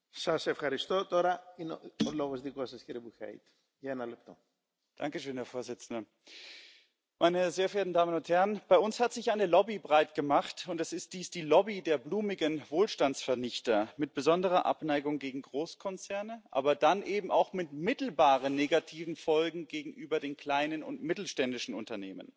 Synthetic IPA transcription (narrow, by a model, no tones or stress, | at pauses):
sɐsefxɐɾist̪ot̪oɾɐineoloɣozðikosɐsciɾibuçɐ̰ḭt̪ | ʝɐenɐlep̚t̪o̰ | d̥a̰ŋkəʃøːnhɛɐfoːɐzɪt͡sn̩dɐ | mʔaɪnəzeːɐfeeːɐtn̩daːmənʊnthɛʁɐnb̥aɪʊnshatz̥ɪçʔaɪnəlɔbibʁaɪtɡ̥əmaχtʊntɛsɪst̚d̥iːsd̥iːlɔbideːɐbluːmɪɡənvoːlʃtant͡sfɛɐnɪçtɐmɪt̚b̥əzɔndəʁ̞ɐʔa̰pnaɪɡʊŋɡeːɡŋ̩ɡʁoːskʰɔnt͡sɛɐnəʔa̰ːbɐdanʔeːbm̩ʔaʊxmɪtmɪtl̩baːʁ̞ənːeːɡatʰiːvn̩fɔlɡŋ̩ɡeːɡŋ̩ʔyːbɐdeːnkl̥aɪnənʊ̰ntmɪtl̩ʃtɛndɪʃn̩ʊ̰ntɐneːmə̰n